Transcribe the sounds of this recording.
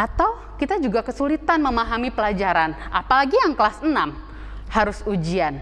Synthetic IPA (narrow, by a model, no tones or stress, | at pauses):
ʔat̪aw | kit̪ad͡ʒuɡakəsulit̪anməmaɦamipəlad͡ʒaɾanʔapalaɡijaŋkəlasənam | haɾʊsud͡ʒian